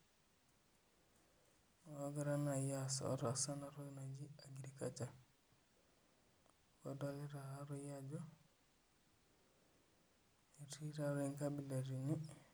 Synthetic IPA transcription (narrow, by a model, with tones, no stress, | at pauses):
ɡa˦ɾa˦na˨ja˨sɔ̰˦ɾa˨sa˦na˨ɾo˦na˨d͡ʒi˦aɡi˨ɾi˦ka˨t͡ʃa˨ | kɔ˨dɔ˦le˦ɾa˨ɦa˦ɾɔ˦ja˦d͡ʒɔ˦ | e˨ti˦ɾa˨ɾe˦ŋka˦bi˨la˨ɾi˨ni˦